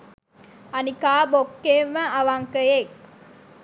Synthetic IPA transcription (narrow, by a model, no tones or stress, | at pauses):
anikaːbokːemːəʔaʋaŋkəjek